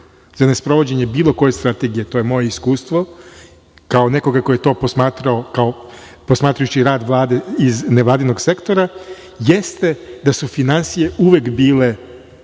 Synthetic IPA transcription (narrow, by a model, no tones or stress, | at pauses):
zanespɾo̞ʋo̞d͡ʑeɲe̞biːlˠo̞ko̞je̞st̪ɾat̪e̞ɡije̞t̪o̞jemo̞je̞iskuːst̪ʋo̞ | kaone̞ko̞ɡako̞jet̪o̞ːposmaːt̪ɾaokao | po̞smaːt̪ɾajut͡ɕiɾaːd̪ʋlˠaːd̪eizneʋlaːd̪ino̞ɡse̞kt̪o̞ɾa | jest̪e̞d̪asufinansije̞uʋekbiːle̞